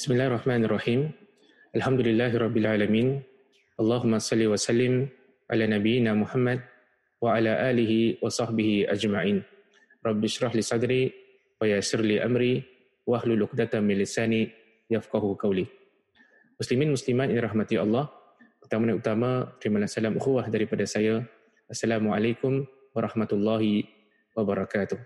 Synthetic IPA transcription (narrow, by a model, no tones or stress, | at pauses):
bɪsmɪlaːhrˤːɑħmaːnɑrˤːɑħiːm | ʔalħamd̪ʊlɪlːaːɦɪɾˤɑbːɪlʕaːlamiːn | ʔɑlˤːɑːɦʊmːasˤɑlːiwasalːɪm | ʕa̰laːnabijːɪnaːmʊħamːad̪̚ | waʕalaːʔaːlɪɦiwɑsˤɑħbɪhiʔa̰d͡ʒmaʕiːn | ɾˤɑbːɪʃɾˤɑħliːsˤɑd̪ɾiː | wajasɪɾliːʔamɾiː | waʔahlulʔʊqd̪at̪amɪnlɪsaːni | jafqɑɦuqɑwli | mʊslimiːnmʊslimat̪ɪnɾˤɑhmat̪iɑ̰lˤːɑh | ʔut̪amanaut̪amat̪ɾimalahsalamʔuxuwahdaɾipadasaja | ʔasːalaːmuʕalajkʊm | wɑɾˤɑħmat̪lˤːɑːɦi | wabaɾˤɑkaːt̪ʊh